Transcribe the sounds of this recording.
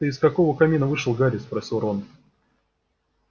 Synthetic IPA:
əɪskɐko̞vəkɐmʲinəvɨʂɨlˠɡaɾʲɪspɾɐsʲilˠɾon

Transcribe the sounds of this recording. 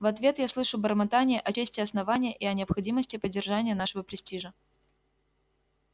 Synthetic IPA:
vɐt̪vʲe̞t̪jaslˠɨʂʊbəɾmɐt̪anʲɪjəʔɐt͡ɕesʲtʲɪɐsnɐvanʲɪjəʔɪɐnʲɪɐpxɐdʲiməsʲtʲɪpədʲːɪrʐanʲɪjənaʂɨvəpɾʲɪsʲtʲiʐə

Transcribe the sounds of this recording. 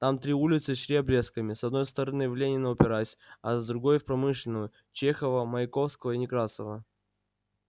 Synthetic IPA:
t̪amt̪ɾʲiulʲɪt̪sɨɕɾʲebɾʲeskəmʲɪsɐd̪no̞jst̪əɾɐnɨvlʲenʲɪnəʊpʲɪɾasʲɐzd̪ɾʊɡo̞jfpɾɐmɨʂlʲɪnʊjʊ | t͡ɕexəvəməɪko̞fskəvəɪnʲɪkɾasəvə

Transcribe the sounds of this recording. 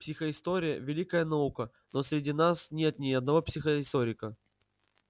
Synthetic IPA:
psʲɪxəɪst̪oɾʲɪjə̰vʲɪlʲikəjənɐukə | nosʲɾʲɪdʲinasnʲe̞t̪nʲɪɐd̪nɐvo̞psʲɪxəɪst̪o̞ɾʲɪkə

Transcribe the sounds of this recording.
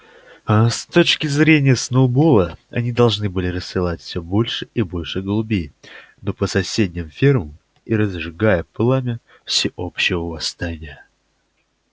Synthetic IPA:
st̪o̞t͡ɕkʲɪzɾʲenʲɪjəsnolˠbolˠəɐ̰nʲid̪ɐlˠʐnɨbɨlʲɪɾəsʲːɨlˠatʲfʲsʲɵbo̞lʲʂɨibo̞lʲʂɨɡəlˠʊbʲej | no̞pəsɐsʲedʲnʲɪmfʲirməm | iɾəzʐɨɡajəplˠamʲɪ | fsʲɪʔo̞pɕːɪvəvɐst̪anʲɪjə

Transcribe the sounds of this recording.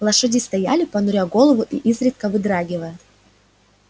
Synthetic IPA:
lˠɐʂɨdʲɪst̪ɐjalʲɪpɐnʊɾʲaɡo̞lˠəvʊʔiʔizɾʲɪt̪̚kəvɨd̪ɾaɡʲɪvəjʊ

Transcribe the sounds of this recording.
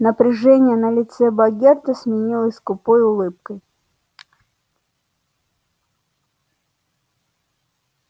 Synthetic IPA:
nəpɾʲɪʐɛnʲɪjənəlʲɪt̪sɛbɐɡʲert̪əsʲmʲɪnʲilˠəsʲskʊpojʊlˠɨp̚kəj

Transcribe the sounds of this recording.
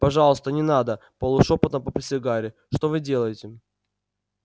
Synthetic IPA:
pɐʐɑlˠəst̪ənʲɪnad̪əpəlˠʊʂopət̪əmpəpʲɾʲɪsʲɪɡaɾʲɪ | ʂt̪o̞vɨdʲe̞lˠəjɪtʲɪ

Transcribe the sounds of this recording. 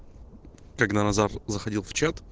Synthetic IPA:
kɐɡd̪anɐzarzəxɐdʲilˠft͡ɕat̪

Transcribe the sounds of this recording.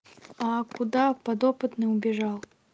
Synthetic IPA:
ɐkud̪apad̪ɔpɨt̪nɨwbʲɛʐaw̪ˠ

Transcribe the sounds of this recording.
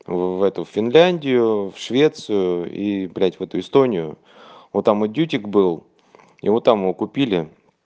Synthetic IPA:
vɛt̪ʊffʲɪnlʲænʲdʲɪjʊfʂvʲe̞t̪sɨjʊḭblʲætʲvɛt̪ʊɪst̪o̞nʲɪjʊ | ot̪ːamodʲutʲɪkbɨlˠ | ḭvot̪ːamɨokʊpʲilʲɪ

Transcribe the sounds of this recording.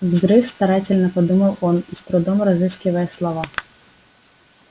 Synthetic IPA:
vzɾɨfst̪ɐɾatʲɪlʲnəpɐd̪uməlˠonist̪ɾʊd̪omɾɐzɨskʲɪvəjəslˠɐva

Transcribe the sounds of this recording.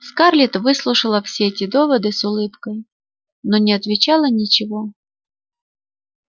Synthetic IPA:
skarlʲit̪vɨslˠʊʂɨlˠəfsʲeɛtʲɪd̪ovɐd̪ɨsʊlˠɨpkəj | nonʲɪɐt̪vʲɪt͡ɕɑlˠənʲit͡ɕɪvo

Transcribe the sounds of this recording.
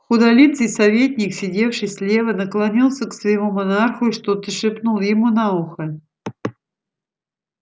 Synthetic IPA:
xʊd̪ɐlʲit̪sɨjsɐvʲetʲnʲɪksʲɪdʲe̞fʂɨjsʲlʲe̞vənəklˠɐnʲilˠsʲəksvəɪmumɐnarxʊiʂt̪ot̪ɨʂɨpnulˠjɪmunauxə

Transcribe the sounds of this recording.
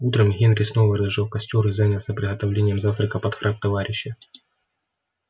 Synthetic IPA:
ut̪ɾəmɣʲenɾʲɪsno̞vəɾəzʐɨlˠkɐsʲtʲoɾɨzanʲəlˠsʲəpɾʲɪɣət̪ɐvlʲenʲɪjəmzaft̪ɾəkəpɐt̪xɾʔak̚t̪ɐvaɾʲɪɕːə

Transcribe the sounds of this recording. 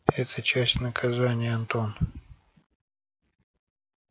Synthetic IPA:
ɛt̪ʰət͡ɕæsʲtʲnəkʰɐzanʲɪjəɐnt̪o̞n

